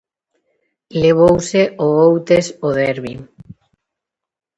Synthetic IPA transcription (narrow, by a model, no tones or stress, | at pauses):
leβ̞owseoowt̪esoðɛɾβi